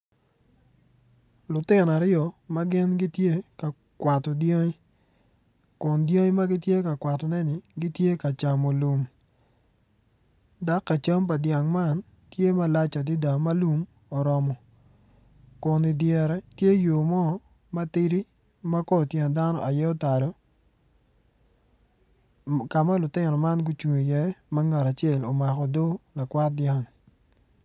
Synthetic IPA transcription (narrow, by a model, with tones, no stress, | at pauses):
lʊ˨tɪ˦n˨a˨ɾɪɔ˨ma˦ɡɪ˦nɡɪ˦tje˦ka˨ | kwa˨tɔ˨djo˦ŋi˦ | kʊ˨ndjo˦ŋ˦ma˦ɡɪ˦tje˦ka˨kwa˨tɔ˨nɛ˦nɪ˨ɡi˦tje˦ka˨t͡ʃa˨mo˨lu˨m | da˦kːa˨t͡ʃa˦mp̬a˨dja˨ŋma˦n | tje˦ma˦la˦t͡ʃa˨di˦da˨ma˦lu˦m | ɔ˨ɾɔ˨mɔ˨ | ko˨ni˨djɛ˨ɾɛ˦tje˦jo˨mɔ˦ | ma˦ti˦ɾi˦ | ma˦kɔ˦˨tjɛ˨n˨da˦nɔ̰˨ʔa˨jɛ˦ɔ˦ta˨lɔ˨ | ka˨ma˦lʊ˨tɪ˦nɔ˨ma˦nɡu˦t͡ʃu˨ɲo˨jɛ˦ma˦ŋa˨ɾa˨t͡ʃɛ˦˨lo˨ma˨kɔ˨do˦la˨kwa˦t̚dja˦˨ŋ